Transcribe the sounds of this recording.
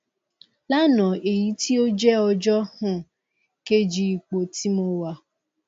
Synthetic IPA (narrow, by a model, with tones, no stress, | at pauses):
la˦nɔ˨e˨ji˦ti˦o˦d͡ʒe˦ɔ˨d͡ʒɔ˦hʊ˦ | ke˦d͡ʒi˨i˨k͡po˨ti˦mo˦wa˦